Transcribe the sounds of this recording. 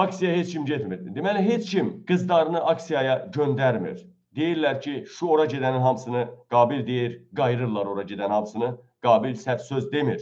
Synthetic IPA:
ɑksijɑɦet͡ʃcʰimɟet̪miɾid̪emæliɦet͡ʃcʰimɡ̥ɯzd̪ɑɾɯnɯʔɑksijɑjɑɟønd̪æɾmḭɾ | d̪e̞jiɾlæɾcʰiʃuo̞ɾɑɟe̞d̪æninɦɑmsɯnɯɡ̥ɑːbild̪e̞jiɾɡɑjɾɯɾlˠɑɾo̞ɾɑɟe̞d̪ænhɑmsɯnɯ | ɡ̥ɑːbilsæt̪søzd̪e̞miɾ

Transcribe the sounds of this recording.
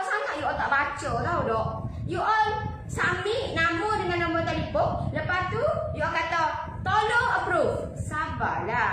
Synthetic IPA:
ʔsaŋaʔjuɔlt̪aʔbat͡ʃək̪audɔʔ | juʔɔl | sambiʔnamədəŋãnːamət̪alipʊk̚ləpast̪ujuɔlkat̪a | t̪oloəpɾuf | saba̰la

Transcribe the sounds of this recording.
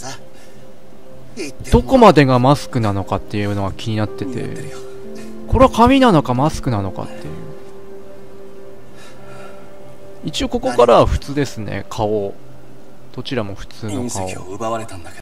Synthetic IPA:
d̪o̞ko̞mad̪e̞ɡamasɨ̥kɯ̟nano̞kat̪ːe̞jɯ̟noɡakʲiɲ̟inat̪ːe̞t̪e̞̰ | ko̞ɾe̞akamʲinano̞kamasɨ̥kɯ̟nano̞ka̰t̪ːe̞̰jɯ̟̰ | it͡ɕio̞ko̞ko̞kaɾaβaɸɯ̟̥t͡sɨːd̪e̞sɨne̞̰kʰao | d̪̥o̞t͡ɕiɾamo̞ɸɯ̟̥t͡sɨːno̞kao̰

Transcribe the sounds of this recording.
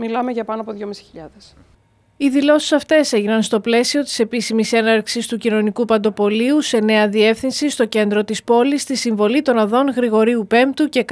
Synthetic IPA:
milɐmeʝɐpɐnoɐpoðʝomisi̥çiʎɐðes | iðilo̞si̥sɐft̪e̞se̞ʝinɐnst̪o̞ple̞sio̞t̪i̥se̞pisimise̞nɐɾksist̪ucino̞nikupɐnd̪o̞po̞liuse̞ne̞ɐðie̞fθinsist̪o̞ce̞nd̪ɾo̞t̪ispo̞list̪isiɱvo̞lit̪o̞nɐðo̞nɣɾiɣo̞ɾiupe̞mpt̪uce̞k

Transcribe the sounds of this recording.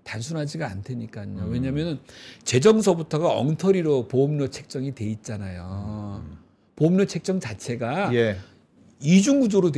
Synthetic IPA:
tans̬ʰunɦad͡ʑiɡaantʰeɲik͈aɲowe̞ɲamjʌnɯnt͡ɕe̞d͡ʑʌŋs̬ʰʌbutʰʌɡaʌ̰ŋtʰʌɾiɾopomɲot͡ɕʰe̞k̚t͡ɕ͈ʌŋitwe̞it̚t͡ɕ͈anajo | poːmɲot͡ɕʰe̞k̚t͡ɕ͈ʌŋt͡ɕat͡ɕʰe̞ɡaj | id͡ʑuŋɡud͡ʑoɾod

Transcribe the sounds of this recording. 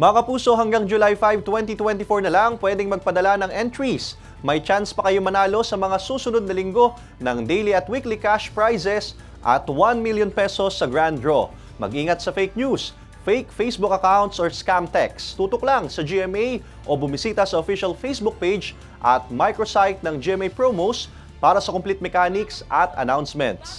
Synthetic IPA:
mɐɐkɐpuːso̞ɦɐŋɡaŋd͡ʒʊlajfajv̚t̪wɛnt̪it̪wɛnt̪ifoɹnɐlaŋpwɛd̪ɪŋmɐɡ̚pɐd̪ɐlanɐŋʔɛnt̪ɹis | mɐjt͡ʃanspɐkɐjomɐnaːlo̞sɐmɐŋasuːsʊnod̪̚nɐlɪŋɡo̞ | nɐŋd̪ejliɐt̪wiklikaʃpɹajsɛs | ʔɐ̰t̪wanmiljonpɛso̞sːɐɡɹand̪ɹo | mɐ̰ɡʔiːŋɐt̪sɐfejk̚njus | fejkfejsbukɐkawnt̪soɹskamt̪ɛkst̪uːt̪oklaŋsɐd͡ʒiɛmej | ʔo̞bʊmɪsiːt̪ɐsɐofiʃɐlfejsbʊk̚pejd͡ʒ | ʔɐt̪̚majkɹosajf̚nɐŋd͡ʒiʔɛmejpɹomos | paːɾɐsɐkʊmplɛt̪̚mɛkaːnɪksʔɐt̪ɐ̰nawnsmɛ̰nt̪s

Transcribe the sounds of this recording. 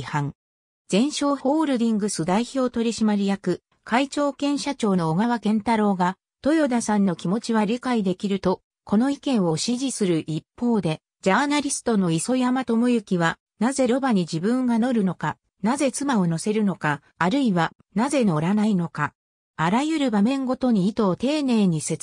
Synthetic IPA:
hãŋ | d͡zẽ̞ɰ̃ɕo̞ːho̞ːɾɯ̟d̪ʲĩŋɡɯ̟sɨd̪aiço̞ːt̪o̞ɾʲiɕimaɾʲijakɯ̟ | kait͡ɕo̞ːkẽ̞ɰ̃ɕat͡ɕo̞ːno̞ːɡaβakẽ̞nt̪aɾo̞ːɡa | t̪o̞jo̞d̪asãnːo̞kʲimo̞t͡ɕiβ̞aɾʲikaid̪e̞kʲiɾɯ̟t̪o̞ | ko̞no̞ikẽ̞ɰ̃o̞ɕiʑisɨɾɯ̟ʔipːo̞ːd̪e̞ | d͡ʑaːnaɾʲisɨ̥t̪o̞no̞iso̞jamat̪o̞mojɯ̟kʲiβa | naze̞ɾo̞baɲ̟id͡ʑibɯ̟̃ŋɡano̞ɾɯ̟no̞ka | naze̞t͡sɨmao̞no̞se̞ɾɯ̟no̞kaː | ɾɯ̟iβa | naze̞no̞ɾanaino̞ka | aɾajɯ̟ɾɯ̟bamẽ̞ŋɡo̞t̪o̞ɲ̟iːt̪o̞ːt̪e̞ːne̞ːɲ̟ise̞t͡s

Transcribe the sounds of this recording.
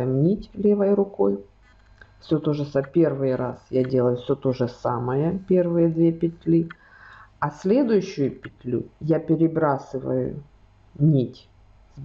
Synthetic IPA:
mnʲitʲlʲe̞vɐjrʊko̞j | fsʲɵt̪o̞ʐɨsapʲe̞rvɨjɾasjadʲe̞lˠəjʊfsʲot̪o̞ʐɨsaməjəpʲe̞rvɨjəd̪vʲepʲɪtʲlʲi | ɐsʲlʲe̞d̪ʊjʊɕːʊjʊpʲɪt̪ʲlʲṵjapʲɪɾʲɪbɾasɨvə̰jʊ̰ | nʲitʲ | z

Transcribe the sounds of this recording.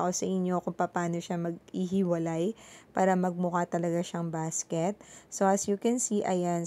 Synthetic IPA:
ʔosɐʔɪɲːo̞kʊŋpɐpaːno̞ʃamɐɡiɦɪwɐlajpaːɾɐmɐɡ̚mʊkat̪ɐlɐɡaʃaŋbaːskɛt̪̚so̞ʔɐsjʊkɛnsiʔɐjan

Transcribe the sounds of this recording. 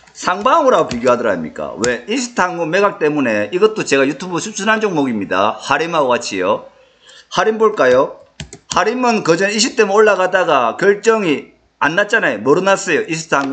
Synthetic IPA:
sʰaŋbamoɾaɡopiɡjoɦadɯɾa̰mɲḭk͈a̰we̞isʰɯ̥tʰaŋome̞ɡak̚t͈e̞mune̞iɡʌt͈ot͡ɕe̞ɡajutʰubɯsʰup̚sʰunɦand͡ʑoŋmoɡimɲida̰haɾimaoɡat͡ɕʰijo | haɾimboɭk͈ajo | haɾimɯnkʌd͡ʑʌniɕʰip̚t͈e̞mɯnoɭːaɣadaɡakjʌɭt͡ɕ͈ʌŋi | anːat̚t͡ɕ͈anajomʌɾɯnas͈ʌjoʔisʰɯ̥tʰaŋ

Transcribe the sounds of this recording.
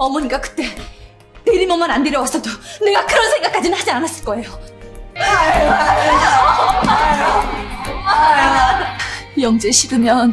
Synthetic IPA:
ʌmʌɲik͈akɯ̥t͈e̞ | neɾimʌmanandeɾjʌwas͈ʌdone̞ɡakɯɾʌnsʰeŋɡak͈ad͡ʑinɯnhad͡ʑianas͈ɯɭk͈ʌe̞jo | jʌŋd͡ʑeɕʰiɡɯmjʌn

